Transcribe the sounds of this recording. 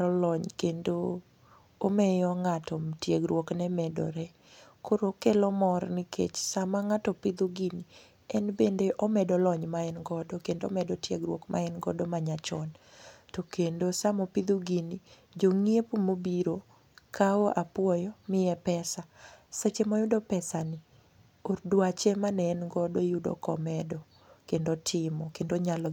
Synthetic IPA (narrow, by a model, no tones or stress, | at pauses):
ɔlɔɲkendoː | mɛjɔŋatɔtjeɡɾwoknɛmɛdɔ̰ɾɛ | koɾokelɔmɔrnɪkʰḛt͡ʃsamaŋatɔpid̪uɡini | ɛnbendeʔɔmɛdɔlɔɲmaɛnɡɔdɔkendoo̰mɛdɔtjeɡɾwokmʔa̰ɛnɡɔ̰dɔmaɲat͡ʃɔn | tokendosamɔpid̪uɡini | d͡ʒoŋiepumobiɾo | kʰaoʔapwɔjɔmɪjɛpɛsaset͡ʃemɔjʊdɔpɛsanɪ | ordwat͡ʃemanɛɛnɡɔdojʊdɔ̰kɔ̰mɛdɔ | kendotʰɪmɔkendoɲalɔ